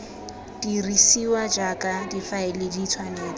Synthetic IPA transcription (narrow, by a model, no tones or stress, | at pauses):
d̥irisiwad͡ʒakʼadifaɪlɪditʰwaneːla